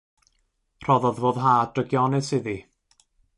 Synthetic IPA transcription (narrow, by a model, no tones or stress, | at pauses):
r̥ɔðɔðvoːðɦaːdəɡjɔnɛsɪði